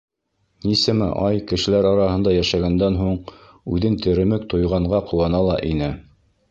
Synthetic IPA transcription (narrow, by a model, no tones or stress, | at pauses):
nisɘmɘ̰ʔɑjkɘ̆ʃɘ̆læɾɑɾɑɦɤ̆nd̪ɑjæʃæɡænd̪ænɦuɴ | ʉðɘnt̪ʰɘ̆ɾɘ̆mɘkt̪ŏjʁɑɴɢɑqʰŏwɑnɑlˠɑʔinɘ